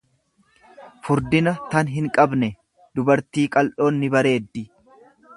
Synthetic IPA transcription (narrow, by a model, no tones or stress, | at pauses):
fʊɾd̪ɪnɐt̪ɐnɦɪŋkʼɐbnɛ | d̪ʊbɐɾt̪iːkʼɐlʔo̞ːnːɪbɐɾe̞ːd̪ːɪ